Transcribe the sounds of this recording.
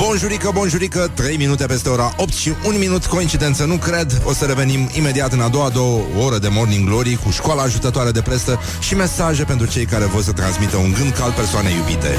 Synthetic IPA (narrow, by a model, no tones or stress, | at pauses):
bonʒuɾikəbonʒuɾikət̪ɾe̞jminut̪epe̞st̪e̞o̞ɾaʔo̞p̚t̪ʃiʔunminut̪ko̞int͡ʃid̪e̞nt̪sənukɾe̞d̪o̞səɾe̞ve̞nimime̞d̪iat̪ɨnad̪o̞wad̪o̞wəoɾəd̪e̞mo̞rniŋɡlo̞ɾikuʃkoalaːʒut̪ət̪oaɾed̪e̞pɾe̞st̪ə | ʃime̞saʒe̞pe̞nt̪ɾut͡ʃe̞jkaɾe̞vo̞rs̬ət̪ɾansmit̪əuŋɡɨnd̪kal̚persoanejubit̪e̞̰